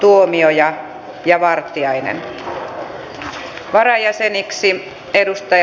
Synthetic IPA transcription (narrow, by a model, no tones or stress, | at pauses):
t̪uomiojɑ | jɑʋɑrt̪iɑinḛn | ʋɑɾɑjæseniksi | edust̪ɑj